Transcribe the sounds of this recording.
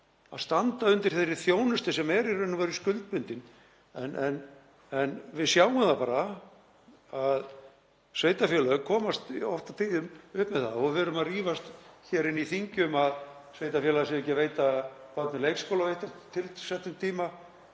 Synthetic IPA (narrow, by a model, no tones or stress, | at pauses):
a̰ðst̪ant̪aʏnt̪ɪɾ̥θɛɾɪθjoːwnʏst̪ɪsɛmɛɾirʏnːʏmvɛɾʏskʏlt̪̚pʏnt̪ɪn | ɛnʔɛn | ɛnvɪðsjawʏmθapaːɾa | að | svejt̪afɛːlaʏkʰɔːmast̪ɔft̪at̪ʰiːðʏmʏhpmɛðθaðɔvɛɾʏmaðriːvast̪çɛːɾɪniθiɲcʏmaðsvejt̪afjɛlaasɛmɛcːaveːjt̪apat̪nʏlejkskowlavejht̪at̪t̪ʰːɪlsɛht̪ʏmt̪ʰiːma